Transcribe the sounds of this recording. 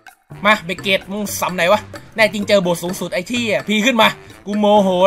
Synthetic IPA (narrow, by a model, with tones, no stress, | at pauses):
maː˧be˨˩kːeː˨˩t̪̚m˧ŋsa˨˩˦mna˨˩˦jwa˦˧˥nɛː˥˩t͡ɕi˧ŋt͡ɕɤː˧bo˨˩t̪̚suː˩˦ŋsu˨˩t̪̚ʔa˧jt̪ʰiː˥˩ʔa˨˩pʰiː˧kʰɯ˥˩nmaː˧ku˧moː˧ɦoː˨˦